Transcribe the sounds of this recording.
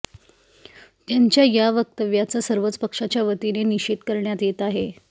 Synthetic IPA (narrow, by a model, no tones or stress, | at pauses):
t̪jaɲt͡ɕjajaʋək̚t̪əʋjat͡sasəɾʋət͡səpəkʂat͡ɕjaʋət̪ineniɕit̪kəɾɳjat̪jet̪aɦe